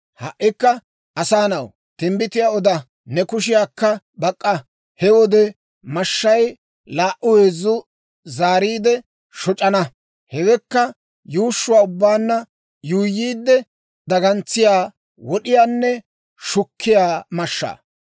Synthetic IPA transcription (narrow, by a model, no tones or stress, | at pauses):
hɐʔːɪkːɐ | ʔɐsaːnɐw | t̪ɪmbɪt̪ɪjaːɔd̪ɐ | nɛkʊʃ̬ɪjaːkːɐ | bɐkʼːɐ | hɛwɔd̪ɛ | mɐʃːɐj | laːʔʊweːzʊ | zaːɾiːd̪ɛ | ʃɔt͡ʃʼɐnɐ | hɛwɛkːɐ | juːʃːʊwaːʊbːaːnːɐ | juːjːiːd̪ːɛ | d̪ɐɡɐnt͡sːɪjaː | wɔɗɪjaːnːɛ | ʃʊkʰːɪjaːmɐʃːa̰ː